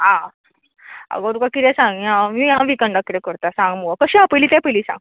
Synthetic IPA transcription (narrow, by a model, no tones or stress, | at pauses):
ɦa | a̰ɡoɾukakit̪ɛsãŋɡiãmĩjãʋikəɳɖakːit̪ɾɛkəɾt̪asãŋɡmuʋakəɕiapəliːt̪ɛ̃peliːsã̰ŋɡ